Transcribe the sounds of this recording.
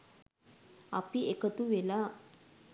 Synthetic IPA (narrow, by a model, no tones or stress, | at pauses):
a̰piekət̪uʋela